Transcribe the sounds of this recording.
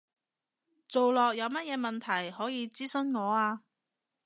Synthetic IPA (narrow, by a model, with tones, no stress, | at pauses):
t͡so˨wlɔː˨k̚jɐ˨˧wmɐ˥t̚jɛː˨˧mɐ˨nt̪ʰɐ˨˩jhɔː˨˥jiː˨˧t͡siː˥sɵ˥nŋɔː˨˧aː˧